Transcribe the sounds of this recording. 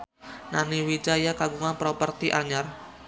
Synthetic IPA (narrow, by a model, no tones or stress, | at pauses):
naniwid͡ʒajakaɡuŋanpɾɔpərt̪iʔaɲar